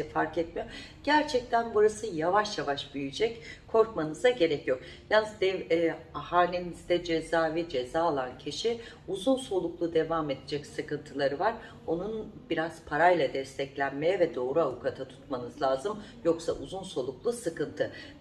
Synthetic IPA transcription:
ɛfaɾkɛt̪mijo | ɟ̥æɾt͡ʃʰɛc̚t̪ʰænbuɾasɯjavaʃjavaʃbyjyd͡ʒɛckʰo̞ɾkmanɯzaɟe̞ɾɛcjo̞k | jalnːɯzd̪ɛahaːlʲinizd̪ɛd͡ʒe̞zaːvɛd͡ʒe̞zaːlˠancʰiʃi | uzunso̞lˠuklˠud̪e̞vame̞d̪ed͡ʒɛcsɯkɯnt̪ʰɯlˠaɾɯvaɾ | o̞nunbiɾaz̥pʰaɾajlˠad̪ɛst̪ʰɛclʲænmejɛvɛd̪o̞ːɾuavukʰat̪ʰat̪ʰu̥t̪manɯzlˠaːzɯm | jo̞ksaʔuzunso̞lˠuklˠusɯkɯnt̪ʰɯ

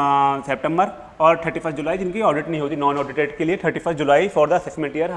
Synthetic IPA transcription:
sɛp̚ʈɛ̃mbəɾ | ɔːɾʈʰəɾʈifʰəst̪d͡ʒʊlaːid͡ʒɪnkiɔːɾɖɪʈnɐɦĩɦoːt̪inɔːnɔːɖɪʈeːʈkelieʈ̪ʰəɾʈifʰəst̪̚d͡ʒʊlaːifɔːɾd̪əɐsɛsmẽɳʈijəɾ

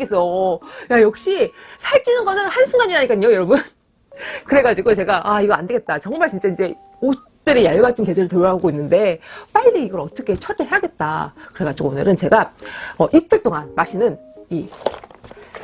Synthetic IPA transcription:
es͈ʌjajʌk̚ɕ͈isʰaɭt͡ɕ͈inɯnɡʌnɯnhansʰuŋɡaɲiɾaɲik͈aɲojʌɾʌbɯn | kɯɾe̞ɡad͡ʑiɡot͡ɕe̞ɡaʔaiɡʌande̞ɡe̞t̚t͈at͡ɕʌŋmaɭt͡ɕint͡ɕ͈aind͡ʑe̞ | o | t͈ɯɾejaɭbat͈ʰɯnked͡ʑɯɾiɭtɯɾoɦaɡoinːɯnde̞p͈aʎːiiɡʌɾʌt͈ʌkʰe̞t͡ɕʰʌt͈eɦeaɡe̞t̚t͈a̰kɯɾe̞ɡad͡ʑiɡoonɯ̰ɾɯnt͡ɕe̞ɡaʌʔit͈ɯɭt͈oŋanmaɕʰinɯni

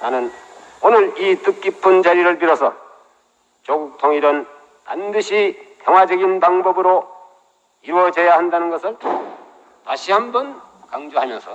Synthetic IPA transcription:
nanɯnonɯɾit͈ɯk̚k͈ipʰɯnd͡ʑaɾiɾɯɭp̬iɾʌsʰʌ | t͡ɕʌɡuk̚tʰoŋiɾʌn | pandɯɕʰikjʌŋɦwad͡ʑʌɡinpaŋbʌbɯɾo | iɾwʌd͡ʑejahandanɯnɡʌsʰɯɭ | taɕʰiɦambʌn | kaŋd͡ʑoɦamjʌnsʰʌ

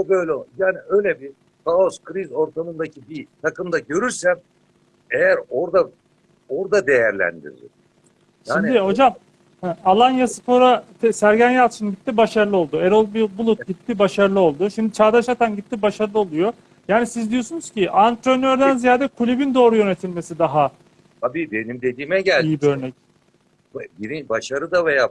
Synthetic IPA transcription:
obø̞jlʲjaːniøjlʲɛbi | tʰaoskʰɾizo̞ɾt̪ʰamɯnd̪acʰibit̪ʰakɯmd̪aɟø̞ɾyɾsæm | ejæɾo̞ɾd̪a | oɾd̪ad̪e̞jæɾlʲæ̰nd̪ḭɾd̪ɪ̰ | ʃaiːnmid̪iho̞d͡ʒam | hɛalˠanjasɯ̥po̞ɾat̪ʰɛsæɾɟænjalt̪ɯʃɯnɟit̪ːibaʃaɾɯɯo̞lˠd̪ueɾolˠbibulˠut̪̚ɟit̪ʰːibaʃaɾlˠɯo̞lˠd̪ʊʃimd̪it͡ʃʰaːd̪aʃat̪ʰanɟit̪ʰːibaʃaɾɯlˠɯo̞lˠujo̞ | jaːnisizd̪ijo̞sunuzciʔant̪ɾonøɾd̪ænzijaːd̪ɛkʰulʲybind̪o̞ːɾujø̞ne̞t̪ʰilʲme̞sid̪aɦa | t̪ʰabiːbe̞nimd̪e̞d̪iːmɛɟælʲijibiø̞ɾnɛc̚ | biɾibaʃaɾɯd̪avejaː

